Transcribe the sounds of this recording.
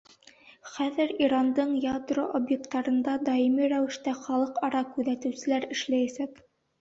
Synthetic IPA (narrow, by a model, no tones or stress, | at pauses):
χæðɘɾiɾɑnd̪ɤɴjad̪roʔobjek̚t̪ːɑɾɤ̆nd̪ɑd̪ɑimɘɾæwɘ̆ʃt̪æχɑlˠɤqɑɾɑkʉðæt̪ɘ̆wsɘ̆læɾɘ̆ʃlæjæsæk